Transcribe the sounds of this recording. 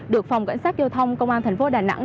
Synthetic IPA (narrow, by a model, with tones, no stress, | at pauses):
ɗɨ˨˩ək̚fa˨˩wŋ͡mka̰˧˥jŋ̟saː˦˥k̚zaː˧wt̪ʰə˧wŋ͡mkə˧wŋ͡mʔaː˧nt̪ʰɛ˨˩ŋ̟fo˨˦ɗaː˨˩na̰˧˥ŋ